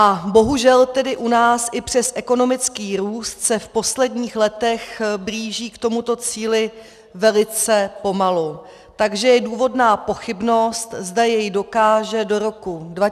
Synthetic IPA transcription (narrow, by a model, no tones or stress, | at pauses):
ʔabo̞ɦuʒɛlt̪ɛdɪʔunaːsʔɪpr̝̥ɛsʔɛko̞no̞mɪt͡skiːɾuːst̪sɛfpo̞slɛdɲiːxlɛt̪ɛxbɾiːʒiːkt̪o̞mut̪o̞t͡siːlɪ | vɛlɪt͡sɛpo̞malu | t̪aɡʒɛjɛduːvo̞dnaːpo̞xɪbno̞st̪zdajɛjdo̞kaːʒɛdo̞ɾo̞kudva